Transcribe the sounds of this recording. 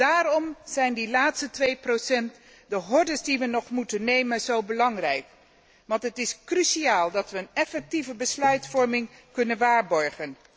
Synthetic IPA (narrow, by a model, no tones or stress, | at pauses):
d̥aːrɔmz̥ɛjndilaːtstətʋejprowsɛnt | dəɦɔɹdəsdiʋənɔχmutənːejmənzowbəlɑŋrɛjk | ʋɑntɦətɪskrysiaːlˠdɑtʋəːnɛfɛk̚tivəbəslœɥtfɔɹmɪŋkɵnənʋaːɹbɔɹχən